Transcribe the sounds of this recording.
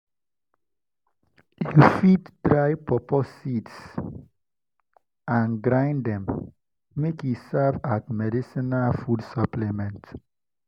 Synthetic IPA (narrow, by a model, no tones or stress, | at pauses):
jufitd̥ɹaɪpɔpɔsids | ãnɡɹãɪ̃ndɛ̃mː | ekjusavatmɛdisinalfudsɔplemɛ̃nt